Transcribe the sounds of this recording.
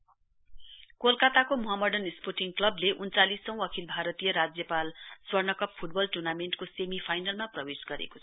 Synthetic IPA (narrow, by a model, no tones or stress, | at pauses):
kolkat̪akomʌɦʌmʌɖʌnisporʈiŋklʌbleʔunt͡salisːʌ̃w̃ʌkʰilbʱaɾʌt̪ijʌɾad͡zjʌpalswʌrnʌkʌppʰuʈ̚bʌlʈurnamenɳʈkosemipʰajnalmaprʌbesɡʌɾḛko̥t͡sʰʌ̥